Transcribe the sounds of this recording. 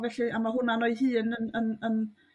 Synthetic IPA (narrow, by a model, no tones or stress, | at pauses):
vɛɬiʔamaɦʊnanɔɨɦɨːnənənən